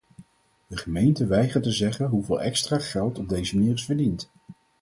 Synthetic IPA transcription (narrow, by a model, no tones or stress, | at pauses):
d̥əχəmejntəʋɛjχətəzɛχənɦuvɪːlˠɛ̰kstraːχɛlˠtɔb̚dejzəmaniːɹɪsvəɹdint